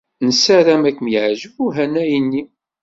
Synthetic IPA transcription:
nsæɾæmækːəmjəʕʒəvuɦænæjənːi

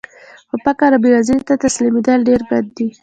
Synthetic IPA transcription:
xopakaɾabiɾaziɾt̪at̪aslimid̪alɖeɾbad̪ːi

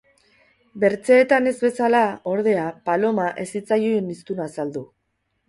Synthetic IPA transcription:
be̞ɾt͡seːt̪ane̞zβe̞salao̞ɾð̞e̞apalo̞maʔe̞sit͡sajuenist̪unasald̪u

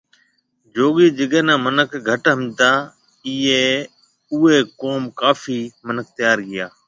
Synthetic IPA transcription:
d͡ʒoːɠiːd͡ʒəɠẽːnãːmənəkɡʱəʈɦəmt̪aː | iːeː | ʊːeːkoːmkaːfiːmənək̚t̪ɪjaːɾɡɪjaː

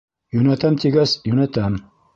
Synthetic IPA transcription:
junɐt̪ɐmt̪ʰiɡɐsjunɐt̪ɐm

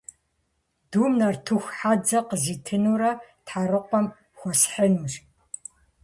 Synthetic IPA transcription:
d̥uːmnɐrtʰɨxʷħad͡zɐqəziːtʰɨnuːɾɐtħaɾɨqʷɔm | xʷɔsħənuːɕ

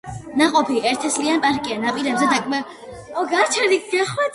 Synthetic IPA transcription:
naqʼɔpʰiɛɾt̪ʰɛslianpʼaɾkʼianapʼiɾɛbzɛd̪akʼmɛ | ɔɡat͡ʃʰɛɾikʰɡɛχwɛt̪

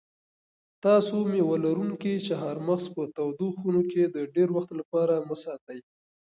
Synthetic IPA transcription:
t̪ɑsomewalaɾuŋkit͡ʃeɦaɾmaxspət̪awd̪oxunoked̪əɖeɾwaxt̪lapɑɾaməsɑt̪aj

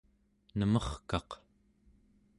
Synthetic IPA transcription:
nəmʌχkɑq

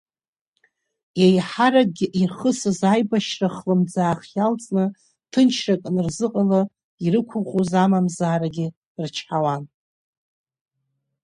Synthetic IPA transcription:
jejħaɾaɡʲɪʔirχəsɨzajbaʃraχlɨmd͡zaːχjalt͡sʼnɨ | tʰɨnt͡ʃʰrakʼnrzɨqʼala | irɨkʷʰʊχuzamamzaːɾaɡʲɪ | rt͡ʃʰħawan

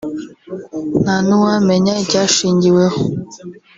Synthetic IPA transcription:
nanuwamɛɲad͡ʒaʃiɲɡiweɔ

